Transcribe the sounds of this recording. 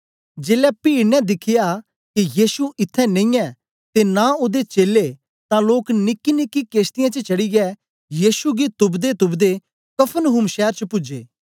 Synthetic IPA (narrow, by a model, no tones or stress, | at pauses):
d͡ʒeːlɛpiːɽnɛd̪ɪkʰɪja | kijiːsuʔɪt̪ʰːɛnɐ̃ĩɛː | t̪enãʊd̪et͡ʃeːle | t̪ãloːknɪkːinɪkːikeːst̪ɪjãt͡ʃət͡ʃɐɽiɡɛː | jiːsuɡit̪ʊbd̪et̪ʊbd̪e | kɐpʰənɦʊmʃɛːɾt͡ʃəpʊd͡ʒḛː